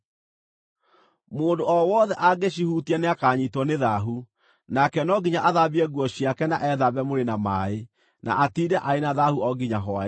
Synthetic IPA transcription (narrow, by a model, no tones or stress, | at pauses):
moːndoɔwɔðɛʔaɡeɕ̬ihutianeakaɲitwɔneðaɦu | nakɛnɔɡiɲaʔaðabiɛɣwɔɕjakɛna̰ʔɛðaβɛmoɾenamae | na̰ʔatidɛʔaenaðahuɔɡiɲaɦɔa